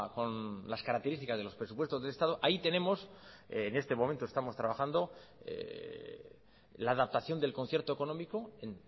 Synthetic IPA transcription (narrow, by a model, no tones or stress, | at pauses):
ko̞nlaskaɾakt̪eɾist̪ikazðelo̞spɾesupwe̞st̪o̞zðe̞le̞st̪aðoʔait̪e̞nẽ̞mo̞sːne̞st̪e̞mo̞mẽnt̪oe̞st̪amo̞st̪ɾaβaxand̪o̞ḛ | laːðap̚t̪aθjo̞nd̪elko̞nθjeɾt̪oe̞ko̞nomiko̞en